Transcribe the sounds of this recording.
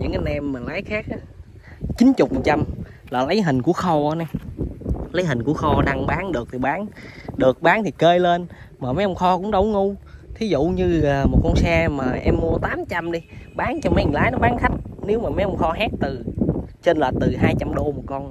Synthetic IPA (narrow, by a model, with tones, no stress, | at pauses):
ɲɨ̰˧˥ŋʔa˧nʔɛ˧mːaː˨˩laː˨˦jxaː˦˥k̚ʔaː˨˦ | t͡ɕï˨˦nt͡ɕʊ˨˩k͡p̚mə˨˩t͡ɕa˧m | laː˨˩lə˨˦jɦï˨˩ŋ̟ku˧˩əxɔ˧əː˨˦na˨˧˩ | lə˨˦jɦï˨˩ŋ̟ku˧˩əxɔ˧ɗa˧ŋɓaː˨˦nɗɨ˨˩ək̚t̪ʰi˨˩ɓaː˨˦nɗɨ˨˩ək̚ɓaː˨˦nt̪ʰi˨˩kəː˧jle˧nmaː˨˩mə˨˦jə˧wŋ͡mxɔ˧kʊ̰˧˥ŋ͡mɗə˨˧˩wŋʊ˧t̪ʰi˨˦zṵ˧˨ɲɨ˧aː˨˩mo˨˩t̚kɔ˧nsɛː˧maː˨˩ʔɛ˧mːu˧ət̪aː˨˦mt͡ɕa˧mɗi˧ɓaː˨˦nt͡ɕɔ˧mə˨˦˨ŋlaː˨˦jnɔ˨˦ɓaː˨˦nxʰa˦˥jk̟̚ne˨˦wmaː˨˩ma˨˦jə˧wŋ͡mxɔ˧ɦa˦˥k̚t̪ɨ˨˩t͡ɕe˧nləː˨˩t̪ɨ˨˩ɦaː˧jt͡ɕa˧mɗo˧mo˨˩t̚kɔ˧n